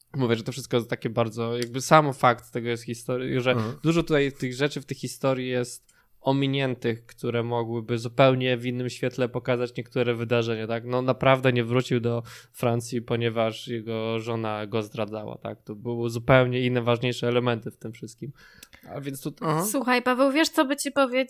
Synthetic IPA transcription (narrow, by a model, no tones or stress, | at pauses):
muvʲjɛʐɛt̪ɔfʂɘst̪kɔjɛst̪akʲɛbaɾd̪zɔjaɡ̚bɘsamfakt̪ːɛɡɔjɛst̪xʲist̪ɔɾʐɛd̪uʐɔt̪ut̪ajt̪ɘɣʐɛt͡ʂɘft̪ɛxːist̪ɔɾʲjijɛst̪ | ɔmʲiɲɛnt̪ɘxkt̪uɾɛmɔɡwɘbɘzupɛwɲɛvinːɘmɕfʲjɛt̪lɛpɔkazat͡ɕɲɛkt̪uɾɛvɘd̪aʐɛɲat̪aknɔnapɾavd̪ɛɲɛvɾut͡ɕiwd̪ɔfɾant̪sʲjipɔɲɛvaʂjɛɡɔʐɔnaɡɔzd̪ɾad̪zawa̰t̪a̰k̚t̪ɔbɘwɘzupɛwɲɛinːɛvaʐɲejʂɛːlɛmɛnt̪ɘft̪ɘmfʂɘst̪̚kʲim | a̰vʲjɛnst̪ut̪swuxajpavɛwvʲjɛʂt̪sɔbɘt͡ɕipɔvʲje